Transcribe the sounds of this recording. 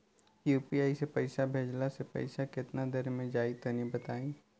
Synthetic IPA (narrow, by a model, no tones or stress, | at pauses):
juːpiaːisepɐɪsabʱeːd͡ʒlasepɐ̰ɪsakɪt̪nad̪əɾmẽd͡ʒaːɪt̪onibət̪aːĩː